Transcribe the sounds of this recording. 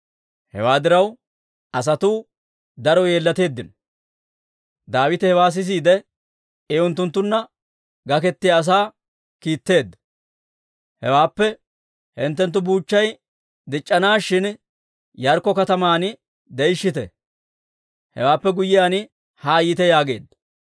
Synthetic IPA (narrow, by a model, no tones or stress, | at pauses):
hɛ̰waːd̪ɪɾɐw | ɐs̬ɐt̪uː | d̪ɐɾɔje̞ːlːɐt̪e̞ːd̪ːɪn | d̪aːwɪt̪ɪhɛwaːs̬ɪs̬iːd̪ɛ | ɛʊnt̪ːʊnt̪ːʊnːɐ | ɡɐkɛt̪ːɪjaːs̬aː | kiːt̪ːe̞ːd̪ːɐ̥ | hɛ̰waːpːɛ | hɪnt̪ːɛnt̪̬ːʊbuːt͡ʃːɐj | d̪ɪt͡ʃʼːɐnaːʃɪn | jɐɾkːɔkɐt̪ɐmaːnɪ | d̪ɛjʃːɪt̪ɛ̰ | hɛ̰waːpːɛɡʊjːɪjaːnɪ | haːjɪːt̪ɛjaːɡe̞̰ːd̪ːɐ